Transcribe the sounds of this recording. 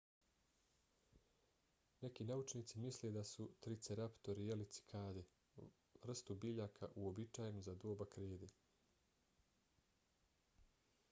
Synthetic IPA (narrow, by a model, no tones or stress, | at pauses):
ne̞kinaut͡ʃniːt̪simisled̪asut̪ɾit̪seɾapt̪o̞ɾijelit̪si̥kʰaːd̪e | ʋr̩st̪ubiʎakʰaʔuobit͡ʃaːjenuzad̪oːbakɾeːd̪e